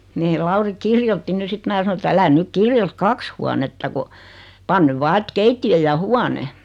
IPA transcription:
meː lɑuri kirjotːi ny sit mæː sɑno et ælæ nyk kirjot kɑks huɑnetːɑ ko pɑn nyʋ ʋɑː et keitːij̆ø jɑ huɑne

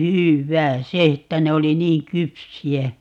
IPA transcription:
hywːæː se etːæ ne oli niːŋ kypsiæ

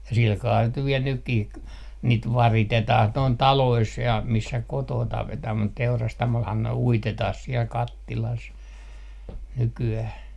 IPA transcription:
jɑ silkɑː niːt nyʋ ʋiɛl nykːih k niːt ʋɑritetɑh noin tɑlois jɑ misːæ kotoː tɑpetɑh mut teurɑstɑmolhɑn ne uitetɑh siel kɑtːilɑs nykyæh

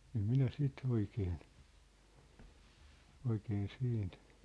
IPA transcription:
em minæ sit oikeːn oikeːn siːnt

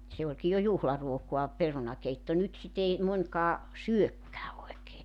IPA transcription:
se olʲki jo juhlɑruokoɑ perunɑkeitːo nyt sit ei monʲkɑː syøkːæː oekeː

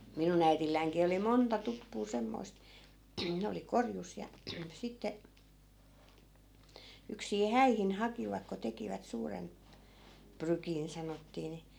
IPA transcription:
minun æitilːæiŋkiː oli montɑ tupːuː semːoi̯st ne oli korjus jɑ sitːe yksiː hæihin hɑkiʋɑk ko tekiʋæt suːren prykin sɑnotːiː ni

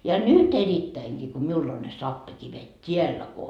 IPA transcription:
jɑ nyt eritːæiŋɡ̊iː ko miul on ne sɑpːikiʋet tʲiælːæ ko

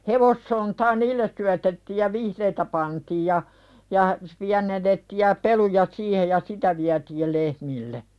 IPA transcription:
heʋosːontɑː niːlːes syætetːiːj jɑ ʋihreːtæ pɑntiːj jɑ jɑ piænenːetːiːj̆ jɑ pelujɑ siːhej jɑ sitæ ʋiætiːl lehmilːe

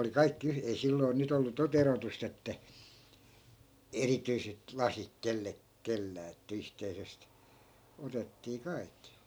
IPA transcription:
oli kɑikːi yh ei silːoi̯ nyt olːu tot erotust etːæ erityiset lɑsik kelːe kelːæː etːæ yhteisest otetːiː kɑi̯kːi

